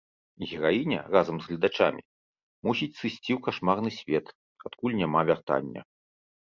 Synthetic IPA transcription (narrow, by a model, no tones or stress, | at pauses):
ɣʲɛɾajinʲɐ̰razɐmzɣlʲid̪at͡ʂa̰mʲḭ | musʲit͡sʲsɨsʲt͡sʲiwkaʂmarnɨsʲvʲɛt̪ | at̪kulʲnʲamavʲart̪a̰nʲːɐ̰